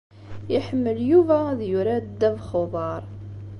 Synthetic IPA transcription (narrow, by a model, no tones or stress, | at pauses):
jəħəmːəljuvæðjʊɾæd̪ːævχoðˤɑɾˤ